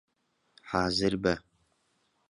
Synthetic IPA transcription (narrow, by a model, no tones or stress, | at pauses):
ħaːzɨrbɐ